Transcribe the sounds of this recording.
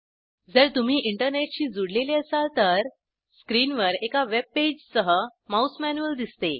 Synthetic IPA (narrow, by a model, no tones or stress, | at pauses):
d͡zəɾt̪um̤iːʔiɳʈəɾneʈɕiːd͡zuɽleleəsalt̪əɾ | skɾiːnʋəɾekaʋeb̚ped͡ʑsəɦəmausmænuəld̪ist̪e